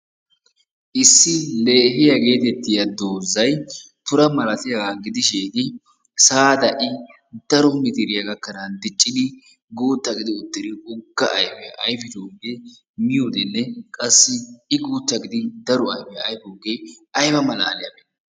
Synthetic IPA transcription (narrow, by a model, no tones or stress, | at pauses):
ʔɪsːɪle̞ːɦɪjɐɡe̞ːt̪ɛt̪ːɪjɐd̪oːzːɐj | t̪ʊɾɐmɐlɐt̪ɪjɐɡaːɡɪd̪ɪʃeːd̪ɪ | saːd̪ɐʔɪ | d̪̥ɐɾɔmɪt̪ɪɾɪjɐɡɐkːɐnand̪ɪt͡ʃʼːɪd̪ɪ | ɡuːt̪ːɐɡɪd̪ɪʊt̪ːɪɾɪʊɡːɐʔɐ̰jfɛʔɐjfɪt̪oːɡeː | mɪjod̪ɛnːɛkʼɐsːɪɪɡuːt̪ːɐɡɪd̪ɪd̪ɐɾɔɐjfɛɐjfoːɡejɐjbɐmɐla̰ːlɪjɐ̰be